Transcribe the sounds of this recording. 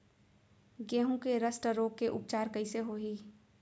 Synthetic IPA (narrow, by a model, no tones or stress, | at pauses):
ɡẽːɦũkeɾəsʈəɾoːɡ̚keʔʊ̰p̚t͡ʃaːɾkəɪseɦoːɦiː